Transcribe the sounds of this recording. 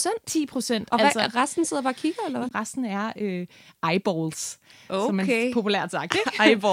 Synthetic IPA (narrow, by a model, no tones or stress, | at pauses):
sen̰t͡sʰḭːpʰʁo̝sen̰d̥ɒsʁasd̥n̩se̝ð̰ˠɐb̥ɑ̈kʰiɡ̥ɐelɐʋʁɑsd̥n̩æɐø | ɑ̈ɪb̥ɒlsosɒ̽menepʰo̝pʰulæɐdsɑ̈ɡ̥̚d̥e̥ɪb